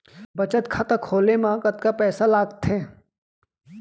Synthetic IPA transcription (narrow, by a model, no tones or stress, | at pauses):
bət͡ʃət̪kʰat̪akʰoːlemãːkət̪̚kapɛːsalaːɡt̪ʰẽː